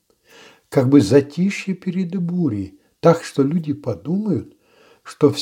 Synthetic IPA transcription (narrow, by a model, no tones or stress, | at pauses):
kaɡ̚bɨzɐtʲiʂjɪpʲɪɾʲɪd̪ɨbuɾʲɪ | t̪akʂt̪olʲudʲɪpɐd̪uməjʊt̪ | ʂt̪of